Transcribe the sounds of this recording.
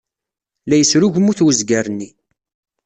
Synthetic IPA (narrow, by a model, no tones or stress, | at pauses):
læjəsɾuʝmuθwəzɡæɾnːi